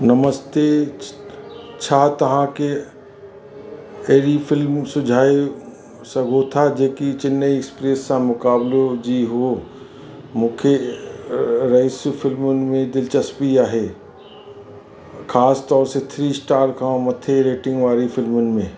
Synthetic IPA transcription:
nɐməst̪e | t͡ʃʰaːt̪ɐɦãke | eːɾifɪlmsʊd͡ʒʱaːi | sɐɡʱot̪ʰad͡ʒeːkit͡ʃɪnːəekspɾesːãmʊkaːblod͡ʒiɦo | mʊ̃ːkʰe | ɾaɪsfʰɪlmʊnmẽd̪ɪlt͡ʃəspiaːɦeː | kʰaːst̪ɔːɾset̪ʰɾiːsʈaːɾkãmɐt̪ʰeɾeːʈɪ̃ŋɡʋaːɾifʰɪlmʊnmẽː

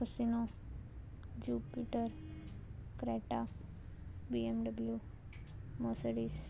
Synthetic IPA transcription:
əsino | d͡ʒuːpiʈəɾ | kɾeʈa | biemɖəblju | məsəɽis

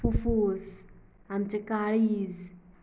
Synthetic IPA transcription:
ufuz | amt͡ɕekaɭiz

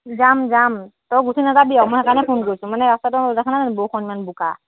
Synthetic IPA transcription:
d͡ʒamd͡ʒamt̪ɔɡutʰinazabijamɔɦakanɛpʰunkɔɾsũmanɛast̪atɔɾɛkʰananbokʰɔnmanbuka̰

